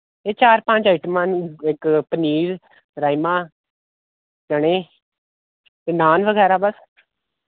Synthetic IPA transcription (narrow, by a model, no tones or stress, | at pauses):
eːt͡ʃaːɾpə̃t͡ʃaiʈəmənɪkpəniːɾ | ɾaːimãː | d͡ʒəɽ̃eː | t̪eːnaːnʋəɡɛːɾaːbəs